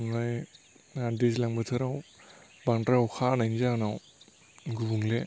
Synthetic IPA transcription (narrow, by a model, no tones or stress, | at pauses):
nlaj | adislaŋbatʰɯɾaw | baŋdɾawkʰanajnzanaw | ɡubuŋle